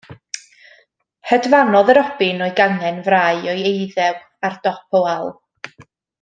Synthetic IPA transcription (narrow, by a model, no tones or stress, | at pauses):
hədvanɔðəɾɔb̥ɪnɔɨɡaŋɛnvraːɨɔɨejðɛw | ard̥ɔpʰɔalˠ